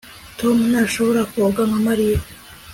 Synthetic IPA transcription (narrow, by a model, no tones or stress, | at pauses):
t̪ʰomunaʃohoɾakoɡaŋamaɾije